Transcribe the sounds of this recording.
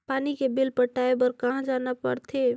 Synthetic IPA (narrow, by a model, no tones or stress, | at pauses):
paːnikebɪlpəʈaːebəɾkɐɦãd͡ʒaːnapɐ̰ɽt̪ʰe